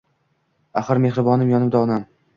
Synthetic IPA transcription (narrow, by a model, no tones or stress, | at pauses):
aχɨɾme̞hɾɪbɒnɪmjɒnɪbd̪aɒnam